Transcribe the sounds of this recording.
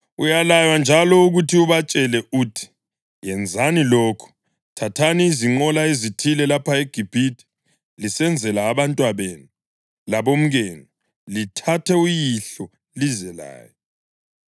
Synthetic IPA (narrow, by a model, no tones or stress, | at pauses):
ujalajwand͡ʒʱalɔuɣutʰiuβat͡ʃʼɛlɛʔuːtʰi̥ | jɛnd͡zʱanilɔːkʰu̥ | tʰatʰaniːziŋ͡ǃɔlaezitʰilɛlapʰaeɡ̥ʱib̥ʱitʰʼi̥ | lisɛnd͡zʱɛlaːβantʼwaβeːnu | laβom̩ɣeːni | litʰatʰɛujiɬɔ | lizɛla̰ːjɔ